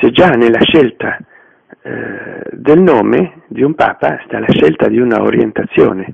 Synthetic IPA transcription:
sed͡ʒanelːaʃɛlt̪a | d̪elnoːme | d̪iumpa̰ːpast̪alaʃɛlt̪ad̪iuna̰o̰ɾjent̪at̪sːjo̰ːne

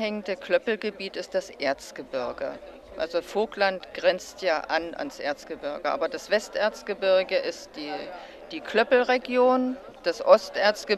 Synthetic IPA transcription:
hɛŋəndəkʰlœpl̩ɡəbiːtɪst̚d̥asʔeːɐt͡sɡ̥əbʏɐɡə̰ | ʔa̰lzofoːklantɡ̥ʁɛnt͡stʰjaːʔa̰nʔa̰nsʔḛːɐt͡sɡ̥əbʏɐɡəʔa̰ːbɐdasv̥ɛstʔeːɐt͡sɡ̥əbɪɐɡəʔɪstd̥iː | d̥iːkʰlœpl̩ʁeɡjoːn | d̥asʔɔstʔeːɐt͡sɡ̥ə

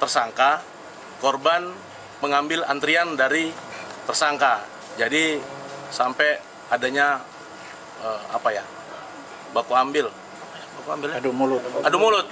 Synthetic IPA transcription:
t̪ərsaŋka | korban | məŋambɪlant̪ɾiandaɾit̪ərsaŋka | d͡ʒadisampɛ | adaɲa | əa̰paja̰ | bakuambɪl | jbakuambɪldumulʊt̪adumolʊt̪̚

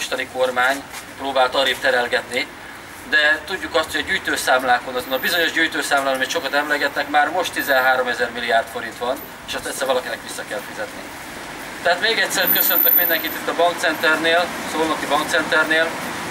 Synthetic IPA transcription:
ʃt̪ɒniko̞rmaːɲproːbaːlt̪ɒɾift̪ɛɾɛlɡɛt̪ni | d̪ɛt̪uɟːukɒst̪hojɒɟyːjt̪øːsaːmlaːko̞nɒzonɒbizo̞ɲo̞ʒɟyːjt̪øːsaːmlaːnɒmit̪ʃo̞kɒt̪ɛmlɛɡɛt̪nɛkmaːrmo̞ʃt̪ːizɛnɦaːɾo̞mɛzɛrmilːijaːrt̪fo̞ɾint̪ʋɒn | eːʃɛst̪ɛctsɛɾrvɒlɒkinɛkʋisːɒkɛlfizɛt̪ni | t̪ɛɦaːt̪meːɡɛcʲsɛɾkø̞sønt̪økmind̪ɛŋkit̪it̪ːɒbɒŋk̚t̪sɛnt̪ɛrneːlsoːlnɒkibɒŋkt̪sɛnt̪ɛrneːl

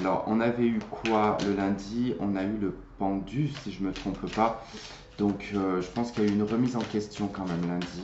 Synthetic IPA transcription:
alɔ̰ʁɔ̰̃navɛykʰwaləlɛ̃d̪iɔ̃naylə | pɑ̃d̪ysiʒəmət̪χɔ̃ppa | d̪ɔ̃køʒəpɑ̃skʲiljayːnʁəmizɑ̃kʲɛst̪jɔ̃kɑ̃mɛmlɛ̃d̪i

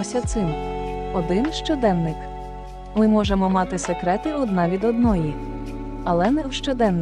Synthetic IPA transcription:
sʲɐt̪sɪmɔd̪ɪnʃt͡ʃɔd̪ɛnnːɪk | mɪmɔʒemɔmɑt̪ɪsekɾɛt̪ɪɔd̪nɑʋʲid̪ɔd̪nɔji | ɐlˠɛnɛwʃt͡ʃɔd̪ɛnn

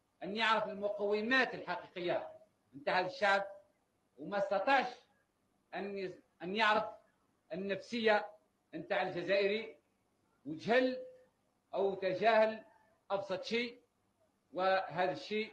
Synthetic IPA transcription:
ʔænːjəʕɾəfəlmʊqɑwːɪmæːt̪əlħɑqiqəjːa | ʔənt̪aːʕhæðəʃːaʕb̚ | wmæst̪ɑt̪ˤɑʕʃ | ʔæn | ʔənjɑʕɾəf | ʔənːæfsəjːa | ʔnt̪aːʕəlʒæzæːʔəɾi | wət̪hɪlː | ʔawt̪æʒæːhɪl | ʔɑbsˤɑt̪ˤʃiː | wəɦæːðæʃːiː

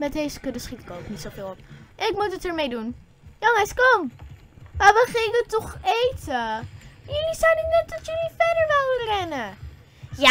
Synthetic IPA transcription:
mɛt̚dejzəkɵdəsχitɪ̥kowknitsowfɪːlˠɔpʔɛnɪkmutətəɹmejdun | jɔŋəskɔm | maːʋəχɪŋkətːɔχejtəjəlisawdɪknɛt̚dɑtjɵlifɛdəɹʋɪlˠʋərɛnə | ja

